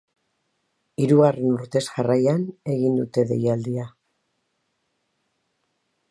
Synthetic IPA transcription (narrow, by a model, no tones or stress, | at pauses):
iɾuɣare̞nuɾt̪e̞sʝarajane̞ɣind̪ut̪e̞ðe̞̰jald̪ia